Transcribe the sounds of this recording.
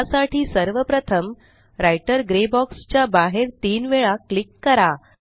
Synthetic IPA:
saʈʰiːsəɾʋəpɾət̪ʰəm | ɾajʈəɾɡɾebɔkst͡ɕjabaɦeɾt̪iːnʋeɭaklikːəɾa

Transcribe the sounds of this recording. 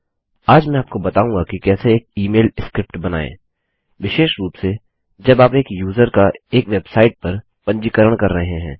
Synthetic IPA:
aːd͡ʒmɛ̃aːp̚kobɐt̪aːũːŋɡakikɛːseːk̚iːmeːlskɾɪp̚ʈbɐna̰ːḛ̃ː | ʋɪʃeːʃɾuːpse | d͡ʒɐbaːpeːkjuːzəɾkaeːkʋeːbsaːɪʈ̚pɐɾ | pɐ̃ɲd͡ʒikəɾəɽ̃kɐɾːɐɦeɦɛ̰̃ː

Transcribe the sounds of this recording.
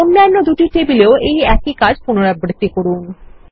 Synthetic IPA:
onːanːod̪uʈiʈebileoʔejɛkikad͡ʑʱpunoɾabɾit̪ːikoɾun

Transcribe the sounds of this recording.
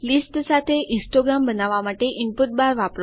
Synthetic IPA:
lisʈsat̪ʰeʔisʈoɡɾambənaʋamaʈeʔinput̪̚baɾʋapɾ

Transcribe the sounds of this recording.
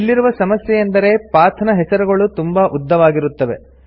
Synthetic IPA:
ilːiɾuʋɐsɐmɐsjɛjɐnd̪ɐɾe̞pɾaːɾt̪ʰɐnɐɦɛsɐɾuɡɐɭut̪umbaʔud̪ːɐʋaːɡiɾut̪ːɐʋe̞

